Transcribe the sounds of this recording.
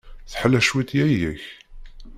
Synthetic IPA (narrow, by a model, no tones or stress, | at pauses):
θħəlːæʃwit̪jæjəç